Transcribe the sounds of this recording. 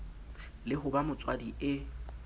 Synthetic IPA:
lɪɦʊbamʊt͡sʼwadiɪ

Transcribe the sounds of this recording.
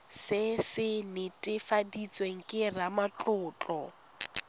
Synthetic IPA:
sɪsɪnɪtʼɪfadit͡sʼweŋ̩kʼɪramat͡ɬʼʊːt͡ɬʼɔ

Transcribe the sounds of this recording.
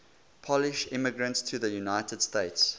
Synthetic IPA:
pʰɔlɪʃɪməɡɹə̃ntstʰəðəjunaɪtəd̥steɪts

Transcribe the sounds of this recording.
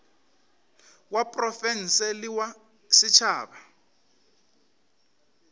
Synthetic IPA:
wapʼrɔfɛn̩sɛliwa | sit͡ʃʰaːba

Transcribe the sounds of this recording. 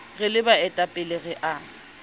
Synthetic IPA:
ɣɪlɪbaɛtʼapʼɪleɣɛʔa

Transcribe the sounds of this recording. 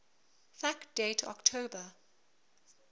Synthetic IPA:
fakd̥etʰɔ̰ktʰoːbə

